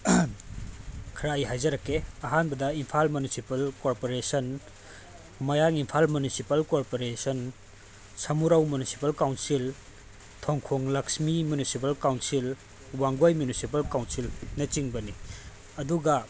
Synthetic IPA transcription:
kʰɾajɦajzɐɾɐkːeɐɦanbɐdɐimpʰalmunisipɐlkoɾpoɾesɐn | mɐjaŋimpʰalmunisipɐlkoɾpoɾesɐn | sɐmuɾɐwmunisi̥pɐlkawnsil | tʰoŋkʰoŋlɐksmimjunisipɐlkawnsil | waŋɡojmjunisipɐlkawnsilnɐt͡ʃiŋbɐni | ɐduɡɐ

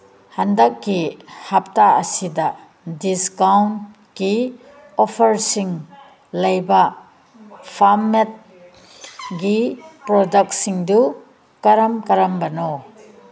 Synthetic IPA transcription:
handɐkːihap̚taɐsida | diskawnt | ki | ɔpʰɐɾsiŋ | lɐjba | pʰamet̚ | ɡipɾɔdɐk̚siŋdu | kɐɾɐmkɐɾɐmbɐno

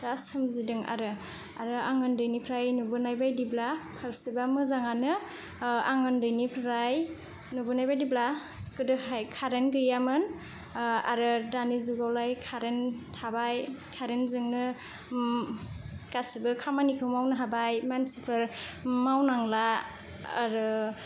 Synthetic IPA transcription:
asɯmzidɯŋa̰ɾɯ | a̰ɾɯaŋɯndɯjnipʰɾajnubɯnajbajdiblapʰaɾsibamɯzaŋanɯ | aŋɯndɯjnipʰɾaj | nubɯnajbajdibla | kɯdɯhajkʰaɾenɡɯjamɯn | aɾɯdanizuɡawlajkʰaɾentʰabajkʰaɾenzɯŋnɯ | kasibɯkʰamanikʰɯwmawnɯɦabajmansipʰɯɾ | mawnaŋla̰ː | ɾɯ

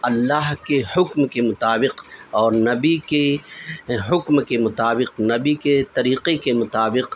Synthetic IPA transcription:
ɐlːaɦkehʊkmkemʊt̪aːbɪqɔːɾnɐbike | ɦʊkmkemʊt̪aːbɪqnɐbiket̪ɐɾiːqekemʊt̪aːbɪq

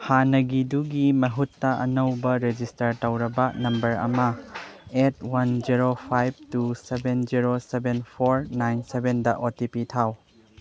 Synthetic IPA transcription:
hanɐɡiduɡimɐɦutːɐʔɐ̰nɐwbɐɾed͡ʒistɐɾtɐwɾɐbɐnɐmbɐɾɐ̰mɐ | et̚ʰwand͡ʒiɾopʰajb̚tusebend͡ʒiɾosebenpʰoɾnajnsebendɐʔotipitʰaw

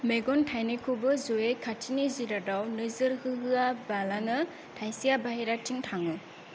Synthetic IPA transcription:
meɡɔntʰajnekʰubɯzoekʰatʰiniziɾadawnɯzɯɾhɯɦɯabalanɯ | tʰajsijabaɦeɾatʰiŋtʰaŋɯ

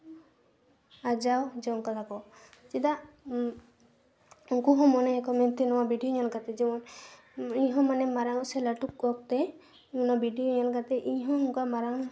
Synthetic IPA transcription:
ad͡ʒawd͡ʒɔŋkat̪akɔt͡ʃid̪aʔ | uŋkuɦɔ̃mɔnɛkɔmɛnt̪ɛnɔwabʱiɖijɔɲalkat̪ɛd͡ʒɛmɔn | iɲɦɔ̃manɛmaɾaŋɔ̃sɛlaʈuk̚ːɔk̚t̪ɛ | ɔnabʱiɖijoɲalkat̪ɛʔiɲɦɔ̃ɔŋkamaɾaŋ

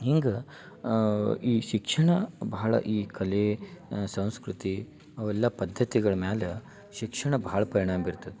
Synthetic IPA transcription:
ɦiŋɡe | iːʃikʂɐɳɐbɐɦɐɭɐ̰ʔiːkʰɐlesɐ̃w̃skɾut̪i | ɐʋɛlːɐpɐd̪ʱːɐt̪iɡɐɭɐmeːle | ʃikʂɐɳɐbɐɦɐɭɐpɐɾiɳ̃aːmɐbiɾt̪ːɐd̪e

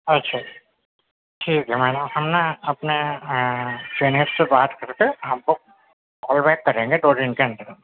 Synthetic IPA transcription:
ɐtːʃʰaː | ʈʰiːk̚d͡ʒemaːnahɐmnaɐpne | fɾeːnessebaːt̪kɐɾt̪eɦɦɐmko | ɔːlbɛːt̪̚kɐɾẽːŋɡeɖoːɾɪ̃ŋkeɐ̃nd̪əɾ

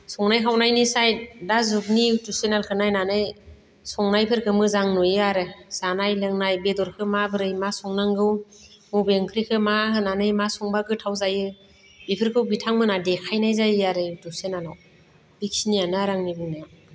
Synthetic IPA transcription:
sɔŋnajkʰawnajnisaj̚dazukniutusenalkʰɯnajnanɯj | sɔŋnajpʰɯɾkʰɯmɯzaŋnujɯaɾɯsanajlɯŋnajbedɔɾkʰɯmabɯɾɯjmasɔŋnaŋɡɯwmubeŋkʰɾikʰɯmaɦɯnanɯjmasɔŋbaɡɯtʰawzajɯ | bipʰɯɾkʰɯwbitʰaŋmɯnadekʰajnajzajɯaɾɯutusenalaw | b̥ik̚sinijanɯaɾaŋnibɯŋnaja

